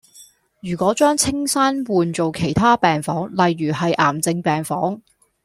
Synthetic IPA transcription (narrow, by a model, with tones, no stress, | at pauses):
jyː˨˩kʷɔː˨˥t͡ʃœː˥ŋt͡sʰɪ˥ŋsaː˥nwuː˨nt͡so˨wkʰe˨˩jt̪ʰaː˥pɛː˨ŋfɔː˨˥ŋlɐ˨jɥyː˨˩hɐ˨jʔa̰ː˨˩mt͡sɪ˧ŋpɛː˨˩ŋfɔː˨˥ŋ